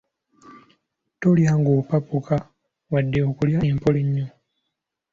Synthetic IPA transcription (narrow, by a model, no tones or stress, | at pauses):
toljaːŋɡoːpapuka | wadːeokuljaempoliɲːo